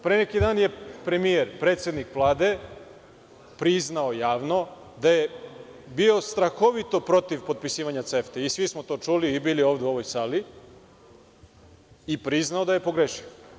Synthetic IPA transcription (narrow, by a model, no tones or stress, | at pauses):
pɾenekid̪aːnje̞pɾe̞mijeɾpɾe̞ːt̪sʲed̪nikvlˠaːd̪e̞ | pɾiznaojaːʋno̞ | d̪aje̞ | bio̞st̪ɾaxo̞ʋit̪o̞pɾo̞t̪iʋpo̞t̪̚pisiːʋaɲat̪seft̪eisʋismot̪o̞ːt͡ʂuliːbiːlio̞ʋd̪euo̞ʋojsaːli | ipɾiznaod̪aje̞po̞ɡɾeʃio